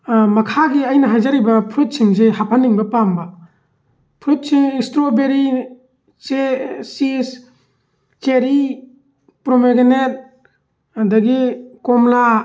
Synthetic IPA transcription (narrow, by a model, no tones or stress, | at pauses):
mɐkʰaɡiajnɐɦajzaɾibɐpʰɾut̚siŋzehapʰanːiŋbɐpamba | pʰɾut̚siŋistɾobeɾi | t͡ʃesis | t͡ʃeɾi | pɾomeɡenet̚ | daɡikɔmla